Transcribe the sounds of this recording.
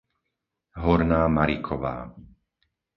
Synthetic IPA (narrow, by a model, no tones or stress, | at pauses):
ɦɔɾnaːmaɾikʰɔʋa̰ː